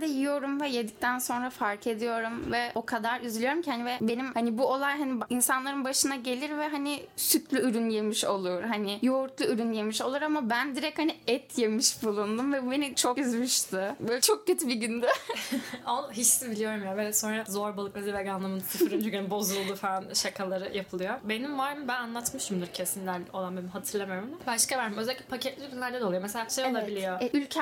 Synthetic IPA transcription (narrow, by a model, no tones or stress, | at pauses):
d̪ɛjijo̞ɾumvɛjed̪ic̚t̪ʰænso̞nɾafaɾkʰe̞d̪ijo̞ɾumvɛo̞kʰad̪aɾyzlʲijo̞ɾumcʰhanvɛbe̞nimhanibuolˠajɦaniinsanlˠaɾɯnbaʃɯnaɟe̞lʲiɾvɛɦanɪsyt̪ʰlʲyyɾynje̞miʃo̞lˠuɾ̥ɦanɪjouɾt̪lˠuyɾynjemiʃo̞lˠuɾamabænd̪iɾɛchaniɛt̪ʰje̞miʃbulˠund̪umvɛbube̞nit͡ʃʰokyzmyʃt̪ɪbøt͡ʃʰok̚ɟyt̪biɟynd̪ɛ | onɦit͡ʃsibilʲijoɾumjavɛso̞nɾazoɾbalˠɯk̚maziveɡanlˠɯmɯnsʰyfɾynt͡ʃʰøɡønbo̞zulˠd̪ufaanʃakʰalˠaɾɯjapʰɯlˠɯjobe̞nimvaɾmɯbænanlˠat̪mɯʃɯmd̪ɯɾcʰesimlʲæɾo̞lˠanbenimɦat̪ʰɯɾlˠamaɾmd̪abaʃkavæɾmimøzælʲikʲlʲɛpʰacʰɛt̪lʲiyɾynlʲæɾd̪ɛd̪olˠujomeselʲaʃejolˠabilʲijoɛʔylʲcʰɛ